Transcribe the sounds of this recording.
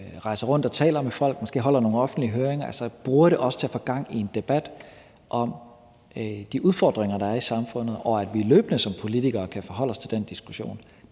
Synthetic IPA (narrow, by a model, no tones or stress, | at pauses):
ʁɑ̈ɪsɐʁɔ̽n̰d̥ɒt͡sʰɛ̰ːlɐmefɒ̽l̰ɡ̥mɒ̽sɡ̥e̝̰ːɦɒ̽l̰ɐno̝ːn̩ɒ̽fn̩d̥liəɦøːɐeŋɐælsɐb̥ʁuːɐɾe̝ʔɒ̽sət͡sʰe̝æfɔɡ̥ɑ̈ŋ̰ie̝nd̥e̝b̥æd̥ | ʔɒ̽m | d̥iʔuð̞ˠfɒ̰ːd̥ʁeŋɐɾ̥ɑ̈æɐisɑ̈mfɔ̽n̰ð̩ˠɒ̽æd̥ʋilø̰ːb̥ənəsɒ̽mpʰo̝lit͡sʰiɡ̥ɐːkʰæfɒɦɒ̽l̰ɒst͡sʰe̝ld̥end̥isɡ̥uɕo̝̰ːn